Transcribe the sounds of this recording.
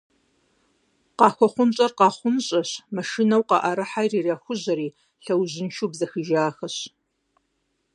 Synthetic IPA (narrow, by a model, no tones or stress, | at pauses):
qɑːxʷɔχʷʊnɕʼɐrqɑːχʷʊnɕʼɐɕmɐʃinɐwqɑ̰ʔɐɾɨħajriːraxʷʊʑɐɾiː | ɬɐwʑɪnʃuːbzɐxɨʒaːxɐɕ